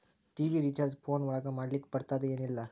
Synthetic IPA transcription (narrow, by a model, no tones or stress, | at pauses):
ʈiːʋiɾiʈɐɾspʰoːnʋɔɭɐɡɐmaːɽlikːɐ̥pɐɽɯt̪ːaːd̪ɯeːnilːɐ